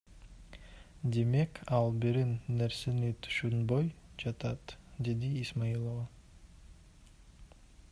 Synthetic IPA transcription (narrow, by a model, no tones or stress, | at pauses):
d̪e̞me̞kɑlˠbiɾinːeɾsenit̪ʰy̥ʃynbojd͡ʒɑt̪ɑt̪d̪e̞d̪iːsmailˠova